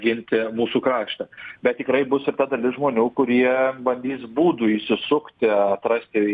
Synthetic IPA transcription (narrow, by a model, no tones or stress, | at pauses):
ɡʲɪnʲt̪ʲɪmuːsuːkɾɑːʃt̪ɐbʲɛt̪̚t̪ʲɪkɾɐɪbʊsɪrt̪ɐd̪ɐlʲɪsʒmoːnʲuːkʊɾʲiɛbɐnʲd̪ʲiːsbuːd̪ʊiʃsʲɪsʊkt̪ʲɪɐt̪ɾɐsʲt̪ʲɪ